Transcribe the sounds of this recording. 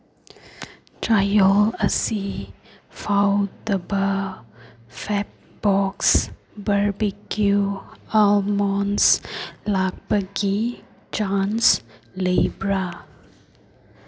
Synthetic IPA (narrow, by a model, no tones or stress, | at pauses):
tʰɹajɔləsi | fawdəbə | fɛp̚ | b̥ɔks | bəɹbikʰjualmɔ̃nslak̚bəɡi | d͡ʒãnslebɹa